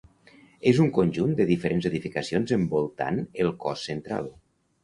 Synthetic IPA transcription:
ezuŋkonʲʒund̪əðifəɾʔenzeðifikəsionzəmbolˠt̪a̰nelˠkɔsːent̪ɾa̰lˠ

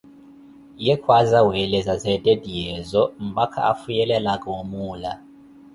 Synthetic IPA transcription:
jɛkʰwazawɛlɛzazɛdʼedijɛzɔm̩bakʰa̰afujɛlɛlakʼɛwomuːla

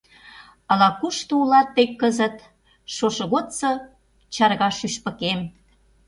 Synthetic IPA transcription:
ɑlɑkuʃt̪oulɑt̪̚ːekːəzət̪ | ʃoʃŏɣot̪sɤ | t͡ɕɑrɣɑʃyʃpə̆kem

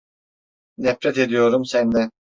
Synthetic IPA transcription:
d̪ɛfɾɛt̪e̞d̪ijo̞ɾumsænd̪ɛ

